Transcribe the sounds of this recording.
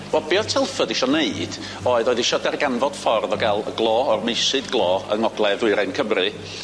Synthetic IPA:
wɛlˠbiːɔtʰɪlˠfədiʃɔneɨd̥ | oːɨðɔːɨðiʃɔdɛrɡanvɔd̥fɔrðɔɡalˠə̰ɡlˠɔːɔrmejsɨdɡlˠɔːə̰ŋɔɡlˠɛðʊɨɾajnkʰəmrɨ

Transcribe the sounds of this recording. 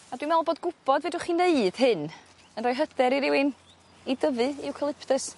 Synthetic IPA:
adwimɛlˠboːdɡʊb̥ɔdveːdʊχineɨd̥hɨn | ənrɔjɦədɛɾiɾɪwɪn | idəvɨiwkʰəlˠɪpʰtəs

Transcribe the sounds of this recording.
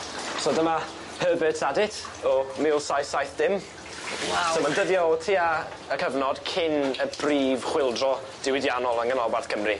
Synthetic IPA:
sodəma | həbɨtʰadɪtʰɔmɪlˠsajθsajθd̥ɪm | somandəðjɔtʰiːa | əkʰəvnɔd̥kʰɪnəb̥riːv̥χwɪlˠdrɔ | d̥ɪwɪdjanɔlˠənɡənɔbwarθkʰəmri

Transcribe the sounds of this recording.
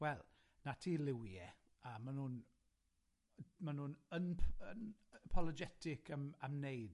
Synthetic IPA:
wɛlˠ | natʰiːlɪwjɛ | əmanuːn | manunənʰənpʰɔlˠɔd͡ʒɛtʰɪkʰəməmnejd̥

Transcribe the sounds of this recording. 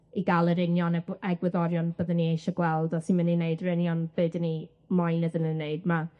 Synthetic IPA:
iɡalˠəɾɪnjɔnɛɛɡwɪðɔɾjɔnb̥əðənːiejʃɔɡwɛlˠdɔsinmanineɨdəɾɪnjɔnb̥ɨːdəni | majnəðənənːeɨd̚ma

